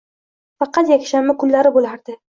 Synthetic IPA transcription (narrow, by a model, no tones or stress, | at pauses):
fɑqʰɑt̪jakʲʃamːɪkʰʊnːaɾɪbolaɾd̪ɪ